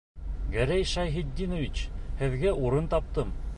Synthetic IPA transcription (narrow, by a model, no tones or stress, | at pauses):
ɡæɾæjʃɑjɦid̪ʲːinŏvʲit͡ɕhɘ̆ðɡæʔuɾɤnt̪ɑp̚t̪ɤm